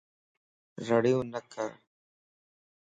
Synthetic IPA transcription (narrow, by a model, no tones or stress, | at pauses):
ɾəɽjũːnəkʰa̰ː